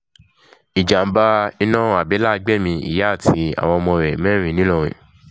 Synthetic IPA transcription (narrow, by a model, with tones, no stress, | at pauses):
i˨d͡ʒa˨m̩˦ba˧i˧˦nã˦˨˦a˨bɛ˨˦la˦˧ɡ͡bɛ˦˨mĩ˧ḭ˦˨ja˦˨tʰi˧˦a̰˨w̃ɔ̃˧ɔ˧mɔ̃˧ɾɛ˨mɛ̃˦ɾ̃ĩ˧˦nĩ˨˦lɔ˦˨ɾ̃ḭ̃˨